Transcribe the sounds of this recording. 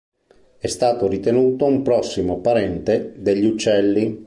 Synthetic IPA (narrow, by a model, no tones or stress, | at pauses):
ɛst̪aːt̪oɾit̪enuːt̪oumpɾɔsːimopaɾɛnt̪ed̪eʎːut͡ʃːɛlːi